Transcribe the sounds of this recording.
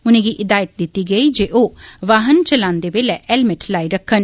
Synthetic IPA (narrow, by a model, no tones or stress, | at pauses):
ʊnẽːɡiʔɪd̪aːjət̪̚d̪ɪt̪ːiɡəid͡ʒeːʔoʋaːɦənt͡ʃəlãːnd̪ebeːlɛʔɛlmɪʈʰlaːiɾəkʰːən